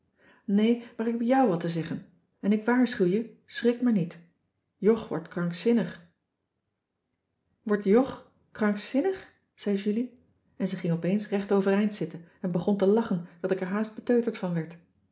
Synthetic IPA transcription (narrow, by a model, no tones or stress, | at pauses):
nejmaːɹɪkɦɛbjawʋɑtəzɛχən | ɛnɪkʋaːɹsχywjəsrɪkmaɹnit | jɔχʋɔ̰ɹtkrɑŋksɪnəχ | ʋɔɹtjɔχ | krɑŋksɪnəχ | z̥ɛjʒyli | ɛnzəχɪŋɔpejnsrɛχtowvərɛjntsɪtənɛnbəχɔntəlɑχənd̥ɑtɪkɛɹɦaːsd̚b̥ətøɥtəɹtfɑnʋɛɹt